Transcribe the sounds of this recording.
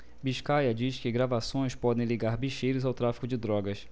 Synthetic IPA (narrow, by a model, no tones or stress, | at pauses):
biʃkajɐd͡ʒiʃkɪɡɾavasõj̃spɔd̪ẽj̃liɡaɾbiʃejɾʊzawt̪ɾafi̥kʊd͡ʒɪd̪ɾɔɡɐs